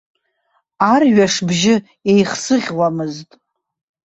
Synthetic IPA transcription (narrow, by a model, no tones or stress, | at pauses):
arɥaʂbʒɪ | ejχsɨʁʲwamɨztʼ